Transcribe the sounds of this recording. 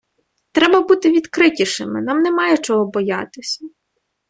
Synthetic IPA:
t̪ɾɛbɐbut̪ɪʋʲid̪kɾɪtʲiʃɪmɪnɑmnɛmɑjɛt͡ʃɔɦɔbɔjɑ̰t̪ɪsʲɐ

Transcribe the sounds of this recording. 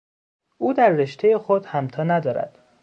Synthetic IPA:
ʔuːd̪æɾːeʃt̪ʰejexod̪hæmt̪ʰɒːnæd̪ɒːɾæ̰d̪̥

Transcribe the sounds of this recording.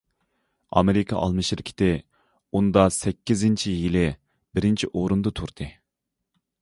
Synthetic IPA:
ɑ̰meɾɪkʰɑ̰ʔɑ̰lˠmɨʃɪɾkʲʰi̥t̪ɪ | und̪ɑsɛkʲʰːizɪnt͡ʃʰijilɪ | bɪɾɪnt͡ʃʰiʔoɾund̪ɨt̪ʰuɾd̪ɨ

